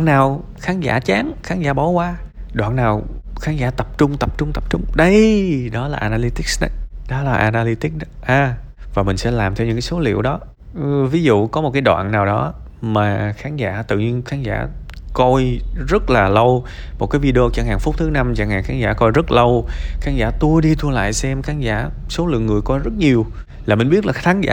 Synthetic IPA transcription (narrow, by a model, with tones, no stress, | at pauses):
a˨naː˨˩w | xaː˨˦nza̰ː˧˥t͡ɕaː˨˦ŋxaː˨˦nza̰ː˧˥ɓɔ˨˦kwaː˧ɗwa̰ː˧˨nːaː˨˩wxaː˨˦nzaː˧˩t̪ə˨˩p̚t͡ɕʊ˧ŋ͡mt̪ə˨˩p̚t͡ɕʊ˧ŋ͡mt̪ə˨˩p̚t͡ɕʊ˧ŋ͡mɗə˧jɗɔ˨˦laː˨˩ʔaː˧naː˧li˧t̪i˦˥k̚sɗə˨˧˦ɗɔ˨˦laː˨˩ʔaː˧naː˧li˧t̪i˦˥k̚ɗʔaː˧˩vaː˨˩mï˨˩ŋ̟sɛ̰˧˥laː˨˩mt̪ʰɛ˧wɲɨ̰˧˥ŋkːaː˨˦so˨˦lḭ˧˨əwɗɔ˨˦ | vi˨˦zṵ˧˨kɔ˨˦mo˨˩t̚kaː˨˦jɗwa̰ː˧˨nːaː˨˩wɗɔ˨˦ | maː˨˩xaː˨˦nza̰ː˧˥t̪ɨ̰˧˨ɲi˧ənxaː˨˦nza̰ː˧˩kɔ˧jzə˦˥t̚laː˨˩lə˧wmo˨˩t̚kaː˨˦jvi˧ɗe˧o˧t͡ɕɔ˧ŋhaː˨˩ŋfʊ˦˥k͡p̚t̪ʰɨ˨˦na˧mt͡ɕa̰ː˧˩ŋhaː˨˩ŋxaː˨˦nza̰ː˧˥˩kɔ˧jzə˦˥t̚lə˧wxaː˨˦˥nza̰ː˧˥t̪u˧əjɗi˧t̪ʰu˧əla̰ː˧˨jsɛ˧mxaː˨˦nza̰ː˧˥˨ | so˨˦lɨ̰˧˨əŋːɨ˨˩əjkɔ˧jzə˦˥t̚ɲi˨˩əw | laː˨˩mï˨˩ŋ̟ɓi˦˥ət̚laː˨˩˦nza̰ː˧˨